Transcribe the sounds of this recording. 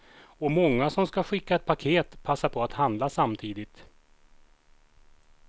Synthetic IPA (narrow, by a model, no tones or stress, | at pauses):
ɔmɔŋːasɔmskaɧɪkːaɛt̪̚pʰakʰeːt̪pʰasːaɾpʰɔat̪hand̪lasamt̪ʰiːd̪ɪt̪